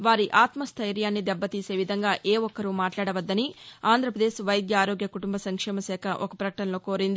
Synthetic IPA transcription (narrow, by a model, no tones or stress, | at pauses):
ʋaːɾiʔaːt̪mɐst̪ʰɐjɾjaːnːid̪ɛbːɐt̪iːse̞ːʋid̪ʱɐŋɡaːʔeːɔkːɐɾumaːʈlaːɽɐʋɐd̪ːɐniaːnd̪ʱɾɐpɾɐd̪eːʃʋɐjd̪jɐaːɾoːɡjɐkuʈumbɐsɐŋkʂɛːmɐsɛːkʰɐʔɔkɐpɾɐkɐʈɐnɐlo̞ːkoːɾind̪i